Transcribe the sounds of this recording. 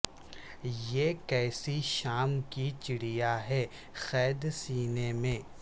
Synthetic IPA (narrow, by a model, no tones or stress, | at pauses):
jeːkɛːsiʃaːmkit͡ʃɪɽijaɦɛ | xɛːd̪siːnemẽː